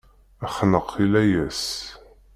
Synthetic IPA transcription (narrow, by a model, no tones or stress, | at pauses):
æχnəqʰːilæjæs